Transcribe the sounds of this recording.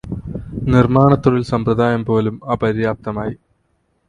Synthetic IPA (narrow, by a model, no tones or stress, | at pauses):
nirmaːɳɐt̪ːuɽilsɐmpɾrɐðaːjɐmpo̞ːlumaːpɐɾijaːp̚t̪ɐmaːji